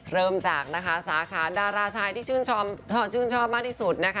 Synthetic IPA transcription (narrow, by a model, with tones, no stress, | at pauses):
ɾɤː˧mt͡ɕa̰ː˨˩k̚na˦˥kʰa˦˥saː˩˦kʰaː˩˦daː˧ɾaː˧t͡ɕʰaː˧jt̪ʰiː˥˩t͡ɕʰɯː˥˩nt͡ɕʰɔː˥˩mʰɔ˥˩t͡ɕʰɯː˥˩nt͡ɕʰɔː˥˩p̚maː˥˩t̪iː˥˩su˨˩t̪̚na˦˥kʰ